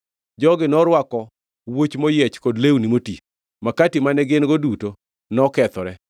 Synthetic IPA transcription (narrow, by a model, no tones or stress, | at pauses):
d͡ʒɔɡɪnɔɾwakɔ | wot͡ʃmɔjɛt͡ʃkodlewnimoti | makatimanɛɡɪnɡoduto | nɔkɛt̪ɔɾɛ